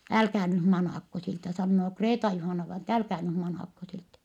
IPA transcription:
ælkæː nyh mɑnɑˑkːo siltæ sɑnːoː kreːtɑjuhɑˑnɑʋɑinɑ etːæ ælkæː nym mɑnɑˑkːo siltæ

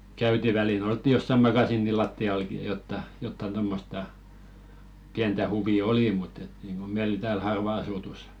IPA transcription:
kæyti ʋælil oltːi josːɑ mɑkɑsiːni lɑtːiɑlki jɑ jotːɑ jotːɑn tomːostɑ piæntæ huʋi oliˑ mutː et niˑŋɡ̊o meil tæːl hɑrʋɑ ɑsutus

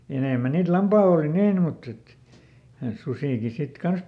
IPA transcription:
jɑ eneˑmæ niːt lɑmpɑːlː oˑli niːn mutː et susiˑki sit kɑns

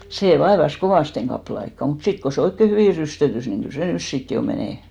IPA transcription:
seˑ ʋɑeʋɑs koʋɑˑsteŋ ɡ̊ɑpːɑ̆le ɑikːɑ mut sit ko se oikːe hyʋiˑ rystøtys ni kyl se nys sit jo meneˑ

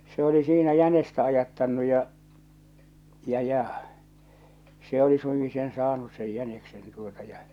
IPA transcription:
se oli siːnæ jænestæ ɑjɑtːɑnːu jɑ jɑ jɑ se oli suiŋki sen sɑːnus sej jæneksen tuotɑ jɑ

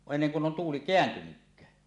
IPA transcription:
enːeŋ kun on tuːli keæntynykːæː

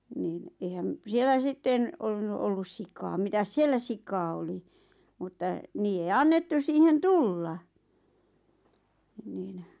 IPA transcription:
niːn eihæm sielːæ sitːen olːunːu olːus sikɑːm mitæs sielːæ sikɑː oli mutːɑ niːje ei ɑnːetːus siːhen tulːɑ niːn

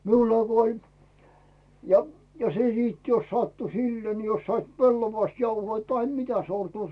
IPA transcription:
miulːɑˑ ko olʲ jɑ jɑ se siːt jos sɑtːu silːeː ni jos sɑit pelːoʋɑst jɑuhoi tɑhe mitæ sortuː

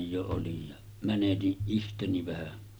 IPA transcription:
jo olij jɑ mænetiʔ ʔihteni ʋæhæ

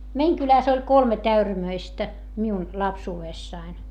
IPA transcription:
meiŋ kylæs olʲ kolmet æyræmøistæ miun lɑpsuːeˑsːɑin

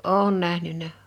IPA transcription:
oˑŭn næhnynˑæ

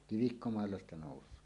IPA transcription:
kiʋikːomɑˑelːɑ stɑ noˑusˑoː

